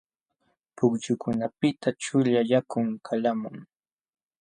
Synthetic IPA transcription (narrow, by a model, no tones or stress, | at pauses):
pʊkt͡ʃʊkʊnapɪt̪ʰat͡ʃʊʎajakʊŋkʰalamʊŋ